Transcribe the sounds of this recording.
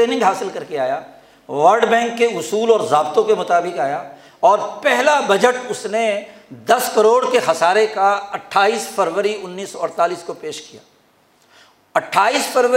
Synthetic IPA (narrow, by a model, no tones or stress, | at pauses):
eːnɪ̃ŋɡɦaːsɪlkɐɾkeaːjaː | ʋɐɾɖbɛ̃ːŋkːeʊsuːlɔːɾzaːbt̪õkemʊt̪aːbɪkaːja | ɔːɾpɛɦlabɐd͡ʒəʈʊsne | d̪ɐskɐɾoːɽkexɐsaːɾekaɐʈʰaːiːsfɐɾʋəɾiʊnːiːsɔɔɾt̪aːliːskopeːʃkija̰ː | ɐʈʰːaːiːsfʰəɾʋə